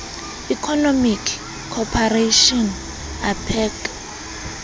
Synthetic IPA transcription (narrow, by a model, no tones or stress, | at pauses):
ikʰɔnɔmikʰː | ɔpʰareʃɔn | apʰɛːk